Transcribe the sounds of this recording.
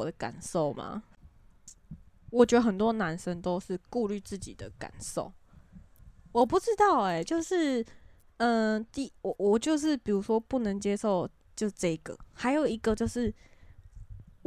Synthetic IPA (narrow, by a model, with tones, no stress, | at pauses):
ɔ˨˩d̪ə˦ka̰˨˩nʂo˥˩ʊma̰˩ | wɔ˨˩t͡ɕɥɛ˧˥d̪ə˧xə˨˩nt̪wɔ˦˥na˧˦˥nʂə˦ŋt̪o˥ʊʂɻ̩˥˧ku˥˧ly˥˧t͡sɹ̩˥˩t͡ɕḭ˨˩d̪ə˦ka̰˨˩nʂo˥˩ʊ | wɔ˨˩pu˥˧ʈ͡ʂɻ̩˥t̪ɑ˥˩ʊɛ˨˩t͡ɕjo˥˧ʊʂɻ̩˥˩ | ə˧t̪i˥˧wɔ˨˩wɔ˨˩t͡ɕjo˥˧ʊʂ̬ɻ̩˥˩pi˨˩ɻu˧˥ʂwɔ˥pu˥˩nə˧˦ŋt͡ɕje˥ʂo˥˨ʊ | t͡ɕo˥˧˥ʈ͡ʂɤ˥˧i˨˩ɡ̥ə̰˨ha˧˥ɪjo˨˩ʊi˧˥ɡə˨t͡ɕjo˥˧ʊʂɻ̩˥˩